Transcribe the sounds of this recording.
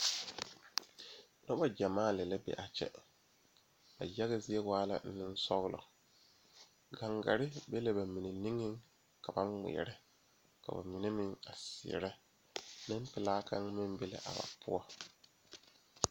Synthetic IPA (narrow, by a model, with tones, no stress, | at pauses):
nɔ˦ba˦d͡ʒa˨maː˦˨lɛ˨lɛ˦bɛ̰˨ʔa˨t͡ʃɛ̰˦ | ba̰˨ja˦ɣa˦zɪ˦ɛ˦waː˦la̰˦n̩˦nɪ˦n̩˦sɔ˦ɣlɔ̰˨ | ɡa˨ŋɡa˨ɾɪ˦be˦le˨ba˨mi˨ne˨ni˦ŋɪ˦ŋ | ka˨ba˦mɪ̰˨ɛ̰˨ɾɛ˦ | ka̰˨ba̰˨mi˨ne˦mɪ˦ŋa˨sɪ̰˨ɛ̰˨ɾɛ˦ | nɪ̃˦m˦pɪ˨laː˦ka˦ŋmɪ̃˦mbe˦la̰˨ʔa˨ba̰˨pʰʊ̰˦ɔ˦